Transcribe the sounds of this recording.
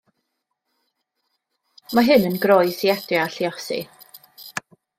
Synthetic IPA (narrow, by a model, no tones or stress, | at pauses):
maɦɨnənɡɾɔjsiɛdjaɬiɔsḭ